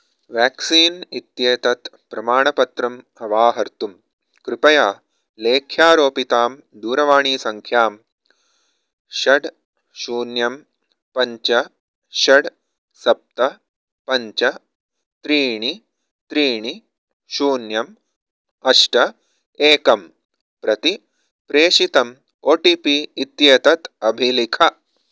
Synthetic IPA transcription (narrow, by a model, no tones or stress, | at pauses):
ʋjaːksiːnit̪jeːt̪ɐt̪ | pɾɐmaːɳɐpɐt̪ɾɐm | ɐʋaːɦɐɾt̪um | kɾɪpɐjaː | leːkʰjaːɾoːpit̪aːm | d̪uːɾɐʋaːɳiːsɐŋkʰjaːm | ʃɐɽ | ʃuːnjɐm | pɐɲt͡ʃɐ | ʃɐɽ | sɐp̚t̪ɐ | pɐɲt͡ʃɐ | t̪ɾiːɳi | t̪ɾiːɳi | ʃuːnjɐm | ɐʂʈɐ | eːkɐm | pɾɐt̪i | pɾeːʃit̪ɐm | oːʈipiːt̪jet̪ɐt̪ɐbʱilikʰɐ